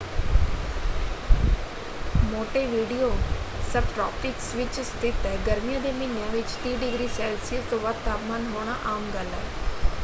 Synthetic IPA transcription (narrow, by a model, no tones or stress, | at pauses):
moːʈeʋiːɖijosɐbʈɾɔːpʈɪksʋɪt͡ʃst̪ʰɪt̪ːɛɡɐɾmijãd̪eminə̃ʋɪt͡ʃt̪iːɖɪɡɾiːsɛːlsiəzt̪oʋɐt̪ːaːpmaːnɦoːɽ̃aʔaːmɡalaːe